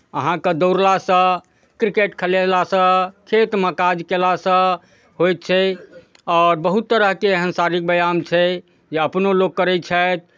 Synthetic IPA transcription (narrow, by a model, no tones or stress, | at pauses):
əɦãked̪owɾlasə̃ | kɾikeʈkʰəlelasə̃kʰet̪məkad͡ʒkelasə̃ | ɦojt̪̚t͡ʃʰɛ | ɔɾbəɦut̪ːəɾəɦkeːɦənsaɾik̚bəjamt͡ʃʰɛ | d͡ʒeəpnoloɡ̚ːəɾɛt͡ʃʰɛjt̪̚ʰ